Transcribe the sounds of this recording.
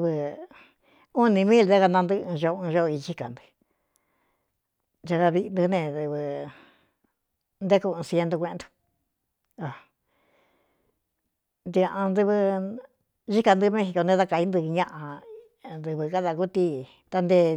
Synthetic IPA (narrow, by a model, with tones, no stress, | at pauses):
βɨ˧ | u˦nĩ˧mĩ˦ld̪a˦ka˧nã˧nd̪ɨ˦ɨ̃˧ʒo˧ũ˧ʒo˦˧i˧t͡ʃi˦ka˨nd̪ɨ̥˧ | ʒa˧ka˧βi˧ʔnd̪u˧nẽ˧d̪ɨ˧βɨ˧ | nd̪e˦ku˧ɨ̃ː˧sje˧nd̪o˧kʷẽ˧nd̪u̥˧ | a˨ | nd̪i˧a˧ã˧nd̪ɨ˧βɨ˧ | ʒi˦ka˧nd̪ɨ˧˦mẽ˦xi˧ko˧nẽ˧a˧ka˧i˦nd̪ɨ˧ɲã˦ʔã˧ | nd̪ɨ˧βɨ˧ka˦ða˧ku˦t̪i˧ | t̪a˧nd̪e˧